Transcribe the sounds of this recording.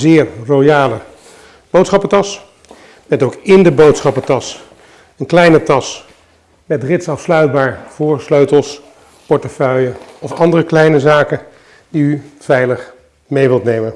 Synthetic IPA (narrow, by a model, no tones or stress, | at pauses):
zɪːɹrojaːlə | b̥owtsχɑpətɑs | mɛtowkɪndəbowtsχɑpətɑs | ənklɛjnətɑs | mɛtrɪtsɑfslœɥd̚baːɹv̥ʊːɹsløɥtəlˠs | pɔɹtəfœɥjəɔfɑndərəklɛjnəzaːkə | diyv̥ɛjləχ | mejʋɪlˠtnejmən